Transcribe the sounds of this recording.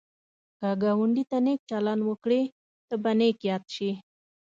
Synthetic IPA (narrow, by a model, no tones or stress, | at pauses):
kaɡawəɳɖit̪anek̚t͡ʃalɑnwəkɽe | t̪əbanekjɑt̪ʃi